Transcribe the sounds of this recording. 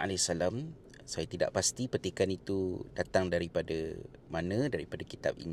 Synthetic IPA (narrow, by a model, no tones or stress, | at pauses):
a̰lasalam | sajat̪ida̰ʔpast̪ipərt̪ikanit̪udat̪aŋdaɾipadə | manə̃daɾipadaki̥t̪a̰p̚ḭn